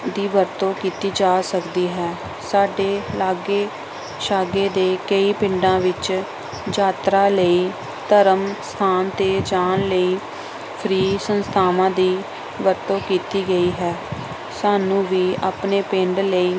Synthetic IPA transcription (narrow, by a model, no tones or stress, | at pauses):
d̪iːʋəɾt̪õːkiːt̪iːd͡ʒaːsəkd̪iːɦɛː | saːɖeːlaːɡeː | ʃaːɡeːd̪eːkəiːpɪɳɖãːʋɪt͡ʃ | d͡ʒaːt̪ɾaːləiː | t̪əɾəmst̪ʰaːnt̪eːd͡ʒaːnləiː | pʰɾiːsənst̪ʰaːʋãːd̪iː | ʋəɾt̪õːkiːt̪iːɡəiːɦɛː | saːnũːʋiːaːpneːpẽɳɖləiː